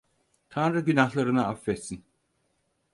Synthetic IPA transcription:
t̪ʰanɾɯɟynahlˠaɾɯnaafːɛt̪sin

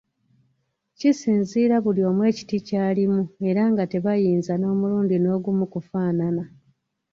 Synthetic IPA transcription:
cisiːnziːɾaβulio̞ːmwe̞ːci̥ticaːlimue̞ɾaŋɡate̞βajiːnzano̞ːmuluːndino̞ːɡumukufaːnana

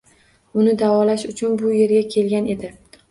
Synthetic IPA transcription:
ʊnɪd̪avɒlaʃʊt͡ʃʰʊnbʊje̞ɾɡʲakʲʰe̞lɡʲane̞d̪ɪ

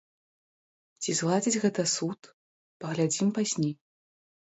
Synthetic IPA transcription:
t͡sʲizlˠad͡zʲid͡zʲɣɛt̪ɐsut̪ | pɐɣlʲad͡zʲimpazʲnʲej

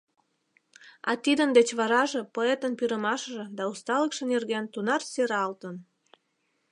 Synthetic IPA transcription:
ɑ̰t̪id̪ənd̪et͡ɕβɑɾɑʒepoet̪ənpyɾəmɑʃʒĕd̪ɑust̪ɑləkʃənerɣent̪unɑrseɾɑlt̪ən

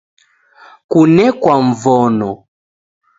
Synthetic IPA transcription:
kunɛkwaɱ̩vɔnɔ

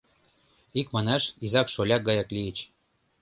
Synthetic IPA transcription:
ikmɑnɑʃizɑkʃolʲɑɡɑjɑkliet͡ɕ

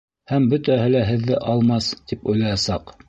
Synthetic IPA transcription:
hæmbɵt̪æɦɘlæɦɘ̆ðːɘʔɑlˠmɑst̪ipujlˠɑjɑsɑq

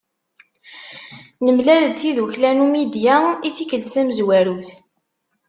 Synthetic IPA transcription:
nəmlæləd̪θiðuçlænumid̪jaiθikəlt̪θæməzwæɾuθ

